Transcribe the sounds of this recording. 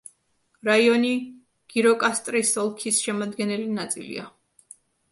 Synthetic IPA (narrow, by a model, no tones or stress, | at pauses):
ɾaiɔni | ɡ̥iɾɔkʼast̪ʼɾisɔlˠkʰisʃɛmad̪ɡɛnɛlinat̪sʼḭlḭa